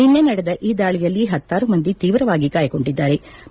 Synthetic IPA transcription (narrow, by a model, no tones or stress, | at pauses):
inːe̞nɐɽed̪ɐʔiːd̪aːɭijɐlːiɦɐt̪ːaːɾumɐnd̪it̪iːʋɾɐʋaːɡikaːjɐko̞ɳɖid̪ːaːɾe̞